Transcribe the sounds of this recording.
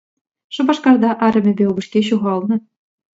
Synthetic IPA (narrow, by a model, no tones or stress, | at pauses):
ʂɤ̆bɑʂkɑrd̪ɑʔɑɾʲɘ̆mʲɘ̆bʲeubɤ̆ʂkʲeɕ̬uʁɑlˠnɤ̆